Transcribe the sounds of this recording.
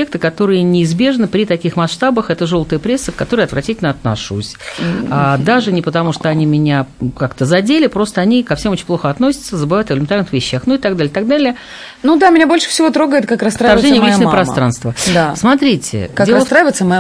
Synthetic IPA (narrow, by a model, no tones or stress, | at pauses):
ek̚t̪ɨkɐt̪o̞ɾɨjənʲɪːzbʲe̞ʐnɨpɾʲɪt̪ɐkʲixmɐsʂt̪abəxɛt̪əʐo̞lˠt̪əjəpɾʲe̞sːɨkɐt̪o̞ɾɨəɐt̪vɾʔɐtʲitʲɪlʲnəɐt̪nɐ̰ʂṵsʲad̪aʐɨnʲɪpət̪ɐmuʂt̪oɐnʲimʲɪnʲakakt̪əzɐdʲelʲɪpɾo̞st̪əɐnʲikɐfsʲemot͡ɕɪ̥nʲplˠoxəɐt̪no̞sʲɪ̥t̪səzəbɨvajʊt̪ɪvəlʲɪmʲɪnt̪arnɨxvʲɪɕːaxnuɪt̪aɡ̚d̪alʲɪəɪt̪aɡ̚d̪alʲɪjə | nud̪amʲɪnʲabo̞lʲʂɨ̥fsʲɪvo̞t̪ɾo̞ɡəjɪt̪kakɾɐsɾaɐrʐɛnɪjəvlit͡ɕnəpɾɐst̪ɾanst̪vəd̪asmɐt̪ɾʲitʲɪ̰kadelˠəst̪ɾavʲɪt̪səmɐ